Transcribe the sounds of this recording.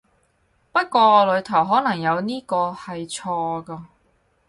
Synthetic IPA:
pɐ˥t̚kʷɔː˧lɵ˨˧ɥt̪ʰɐ˨˩wɦɔː˨˥nɐ˨˩ŋjɐ˨˧wniː˥kɔː˧hɐ˨jt͡sʰɔː˧kɐː˧

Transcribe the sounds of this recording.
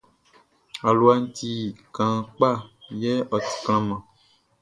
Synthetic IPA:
a˨lu˨˦a˨n̩˦t̪i˦kã˨k͡pa˦˨jɛ˦ʔɔ˨t̪i̥˨kl̃ã˦mã˨

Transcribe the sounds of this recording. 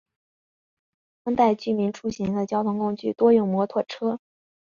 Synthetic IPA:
fə˥ŋt̪a˥˧ɪt͡ɕy˥˩mi˧˥nʈ͡ʂʰu˥ɕɛ˧˥nd̪ə˧t͡ɕjɑ˥ʊt̪ʰʊ˧˥ŋkʊ˥ŋt͡ɕy̰˥˩t̪wɔ˥jʊ˥˩ŋmwɔ˧˥t̪ʰwə˥˩ʈ͡ʂʰɤ˥

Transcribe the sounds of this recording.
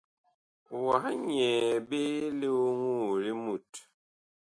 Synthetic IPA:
wa˨hɲɛ˨be˦le˦o˦ŋu˦˨ɾi˦mu˦˨t

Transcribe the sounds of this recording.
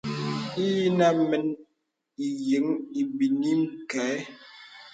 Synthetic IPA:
i˦ji˦na˦mə˨n | i˨jə˨˦ŋi˨bi˨ni˦m˦˨kɛ˨˦

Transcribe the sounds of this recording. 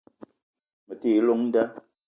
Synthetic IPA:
mə˨teː˦˨˦lo˦ŋn̩˦da˦

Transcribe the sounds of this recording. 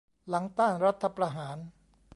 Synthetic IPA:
la˩˦ŋt̪aː˥˩nɾa˦˥t̪ʰːa˧pɾa˧ɦaː˩˦n

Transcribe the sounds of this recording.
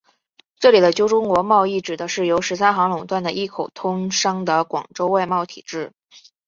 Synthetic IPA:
ʈ͡ʂɤ˥˩li˨˩d̪ə˦t͡ɕjo˥ʊʈ͡ʂʊ˥ŋkwɔ˧˥mɑ˥˧ʊi˥˩ʈ͡ʂɻ̩˨˩d̪ə˦ʂɻ̩˥˩jo˧˥ʊʂɻ̩˧˥sʰa˥xɑ˧˥ŋlʊ˨˩ŋt̪wa˥˩nd̪ə˩ʔi˥˩kʰo˨˩ʊt̪ʰʊ˥ŋʂɑ˥ŋd̪ə˨kwɑ̰˨˩ŋʈ͡ʂo˥ʊwa˥˧ɪmɑ˥˩ʊt̪ʰḭ˨˩ʈ͡ʂɻ̩˥˩

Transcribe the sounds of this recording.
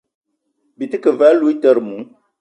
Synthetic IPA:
bi˨tɨ˦kə˨vɛ˨˦lu˦i˦tə˦ɾmũ˨˦

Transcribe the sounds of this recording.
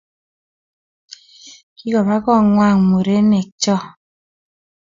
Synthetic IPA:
ki˦kɔ˨ba˦kɔ˦˨ŋwa˦˨ŋmo˨ɾe˦nɛ˨k̚t͡ʃɔ˦˨

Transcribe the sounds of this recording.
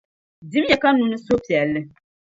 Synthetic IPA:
di˦m˦jɛ˨ka˦nu˦nɨ˦so˦pi˨ɛ˨lːɨ˦

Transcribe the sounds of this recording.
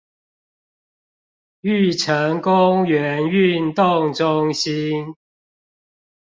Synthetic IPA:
y˥˨ʈ͡ʂʰə˨˦ŋkʊ˦ŋɥɛ˨˦ny˥˨nt̪ʊ˥˨ŋʈ͡ʂʊ˦ŋɕi˦˥n

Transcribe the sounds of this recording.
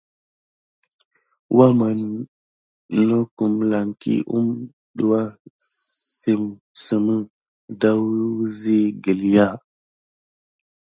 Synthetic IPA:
wʔa˦ma˨n˨ | no˦ku˨mla˨ŋkḭ˦ʔṵ˦m | ɗu˨wa˦ | si˨m | sə˨mə˦ | da˦wzi˦ɡi˨lja˦˨

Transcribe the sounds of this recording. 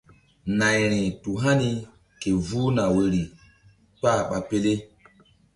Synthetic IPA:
na˨jɾ̃ĩ˨tu˨ɦa˦ni˨ | ke˨vu˦na˨we˨ɾi˨ | k͡pa˦˨ɓa˨pe˦le˦

